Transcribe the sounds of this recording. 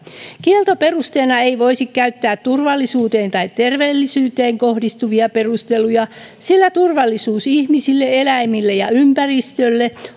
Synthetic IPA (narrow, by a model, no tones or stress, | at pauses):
kielt̪ope̞rust̪eːnɑeiʋoisikkæyt̪ːæːt̪turʋɑlːisuːt̪eːnt̪ɑit̪tːerʋeːlːisyːt̪eːŋkohdist̪uʋiɑperust̪elujɑsilːæt̪urʋɑlːisuːsihmisilːeelæimilːejɑympærist̪ølːe